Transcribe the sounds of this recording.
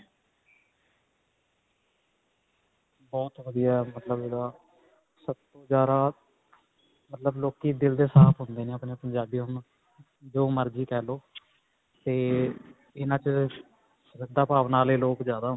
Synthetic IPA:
bɔːt̪ʋəd̪ijaːɛmət̪ləbɪdaː | səbt̪õːd͡ʒaːɾaː | mət̪ləbloːkiːd̪ɪld̪eːsaːpʰɦʊnd̪eːneːəpneːpəɲd͡ʒaːbiːɦʊn | d͡ʒoːməɾd͡ʒiːkɛːloː | t̪eː | ɪnãːt͡ʃ | sɾək̚d̪aːpaːʋnaːleːloːkzjaːd̪aːɦ

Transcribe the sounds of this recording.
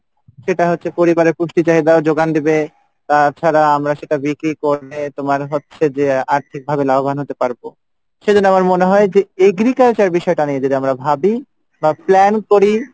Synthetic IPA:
ʃeʈaɦotːɕʰepoɾibaɾeɾpuʃʈit͡ɕaɦid̪aod͡ʑoɡand̪ebe | t̪at͡ɕʰaɾaamɾaʃeʈabikɾikoɾet̪omaɾɦotːɕʰed͡ʑeaɾt̪ʰik̚bʱabelaɦobʱanɦot̪epaɾbo | ʃed͡ʑonːoamaɾmoneɦɔed͡ʑeeɡɾikalt͡ɕaɾbiʃɔeʈanied͡ʑod̪iamɾabʱabi | baplɛnkoɾi

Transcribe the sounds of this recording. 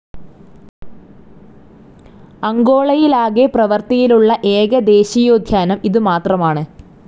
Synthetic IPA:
ɐŋɡo̞ːɭɐjilaːɣeprɐʋɐrt̪ijiluɭːɐʔeːɣɐd̪e̞ːɕijoːd̪ʱjaːnɐmiðɨmaːt̪rɐmaːɳɨ

